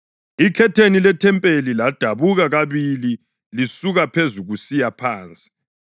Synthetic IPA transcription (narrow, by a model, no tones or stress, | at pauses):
ikʰɛtʰenilɛtʰɛmpʼelilad̥ʱaβuɣaɣaβili | lisuɣapʰezuɣusijapʰaːnt͡sʼi̥